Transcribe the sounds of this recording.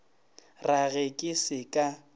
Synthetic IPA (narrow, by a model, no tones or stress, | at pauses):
raɣɛkʼɪsɪkʼa